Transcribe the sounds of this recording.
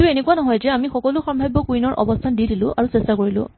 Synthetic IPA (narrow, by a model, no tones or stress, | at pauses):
ʊenekuanɔɦɔjzɛamixɔkɔlʊxɔmbʱajbːɔkujnɔɹʔɔ̰bɔstʰandidilʊ̰̃ʔa̰ɹusestakoɹilʊ̰̃